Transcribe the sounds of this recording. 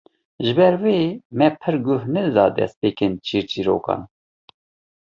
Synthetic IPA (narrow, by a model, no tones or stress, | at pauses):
ʒɪbɛɾweːmɛpʰɨɾɡʊhnɨzɑːd̪ɛ̰st̪̚peːkɨnt͡ʃʰiːɾt͡ʃiːɾo̰ːkɑ̰ːn